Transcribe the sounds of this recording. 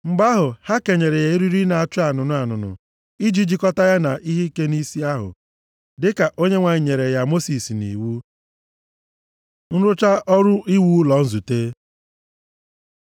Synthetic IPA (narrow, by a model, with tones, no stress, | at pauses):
ŋ͡m̩˨ɡ͡ba˦ɦʊ˨ha˦ke˨ɲe˨ɾe˨ja˨i˦ɾi˦ɾi˦na˨a˨t͡ʃʊ˦a˨nʊ˨nʊ˨a˨nʊ˨nʊ̰˨ | i˦d͡ʒi˦d͡ʒi˦kɔ˦ta˦ja˦na˨ʔi˦ɦi˦ke˦ni˦si˦a˦ɦʊ̰˨ | dɪ˦ka˨ʔo˦ɲe˦ŋʷa˨ɲi˨ɲe˨ɾe˨ja˨mo˦si˨snḭ˨wu˦ | n̩˦ɾʊ˦t͡ʃa˦ʔɔ˦ɾʊ˦ʔi˦wu˦lɔ˨n̩˦zu˨te˦